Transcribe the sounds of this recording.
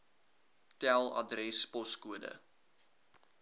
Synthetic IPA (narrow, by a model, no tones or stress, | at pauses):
tælˠɐ̰drɛspɔskuədə̰